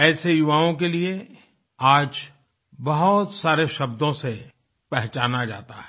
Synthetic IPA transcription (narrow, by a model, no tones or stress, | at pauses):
ɛːsejʊʋaːõkelie | aːd͡ʒ | bɐɦʊt̪saːɾeʃɐbd̪õse | pɛɦt͡ʃaːnad͡ʒa̰ːt̪aɦɛ